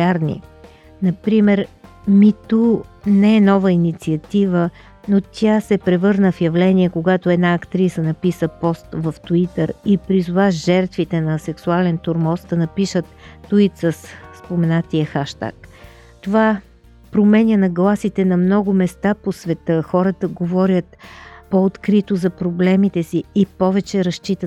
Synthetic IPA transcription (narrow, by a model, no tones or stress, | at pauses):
aɾnḭ | nɐpɾimɛɾmit̪unɛɛnɔvəinit̪siɐt̪ivə | not̪ʰʲjasɛpɾɛvɤɾnəfjɐvlɛniɛkoɡat̪oɛd̪naɐkt̪ɾisənɐpisəpɔst̪vəft̪uit̪əɾipɾizovaʒɛɾt̪vit̪ɛnɐsɛksualɛnt̪oɾmɔsd̪ɐnɐpiʃət̪ːuit̪səsspomɛnat̪iəxaʃt̪a̰k | t̪ova | pɾomɛnʲjənɐɡlˠasit̪ɛnɐmnɔɡʊmɛst̪aposvɛt̪əxɔɾət̪əɡovɔɾʲjət̪poːt̪kɾit̪ozɐpɾoblɛmit̪ɛsiːpɔvɛt͡ʃɛɾɐʃt͡ʃit̪ə